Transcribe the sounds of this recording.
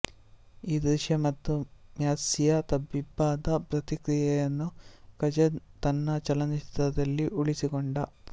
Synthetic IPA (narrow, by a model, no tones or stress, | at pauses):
iːd̪ɾiʃjɐmɐt̪ːumjaːsijɐt̪ɐbibːaːd̪ɐpɾɐt̪ikɾijɐjenːukɐd͡ʒet̪ɐnːɐt͡ʃɐlɐniʃt̪ɐd̪ɐlːiʔuɭisikoɳɖɐ